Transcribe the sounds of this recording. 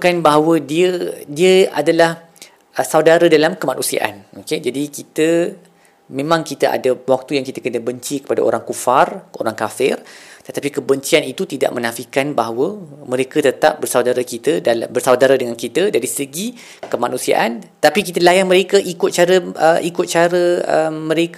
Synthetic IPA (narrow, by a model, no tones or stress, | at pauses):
kanbaɦawədiədiəa̰dalah | ʔsawdaɾədalamkəmanusia̰ʔa̰noked͡ʒadikit̪ə | mẽmãŋkit̪aʔa̰dawak̚t̪ujaŋkit̪akənəbəɲt͡ʃikə̥pada̰ʔo̰ɾaŋkufaro̰ɾaŋkafɪrt̪ət̪apikəbəɲt͡ʃianit̪ut̪ida̰ʔ̚mə̃nafikanbaɦawəmə̃ɾekət̪ət̪ap̚bərsawdaɾakit̪ədabərsawdaɾadəŋankit̪ədaɾisəɡi | kəmanũsia̰ʔant̪apikit̪əlajaŋmə̃ɾekəʔikʊt̪̚t͡ʃaɾəəʔikʊt̪̚t͡ʃaɾəə̰mmə̃ɾek